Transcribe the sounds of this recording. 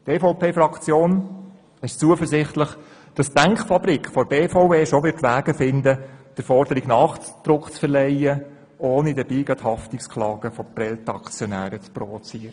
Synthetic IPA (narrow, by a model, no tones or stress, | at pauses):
teːfoʊpʰeːfɾɑkt͡sjoːn | ɪʃt͡suəfərzɪχt̪ləχ | d̥ɑsæŋkχfɑbɾikχfɔɾbeːfoʊpeːʃoʋɪtʋæːɡ̥əfɪndəd̥əɾfɔɾd̥əɾɪɡnɑːχd̪̥ɾʊkt͡sfəɾlɛɪə | oːnidəb̥iːɡ̥ɑthɑftɪkskʰlɑːɡ̥əfɔprɛltɑkt͡sjɔnæːɾət͡spɾɔvot͡siːəɾə